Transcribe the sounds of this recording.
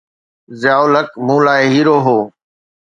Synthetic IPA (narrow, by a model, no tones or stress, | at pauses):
zjaːoləkmũːlaːeɦiːɾoːɦoː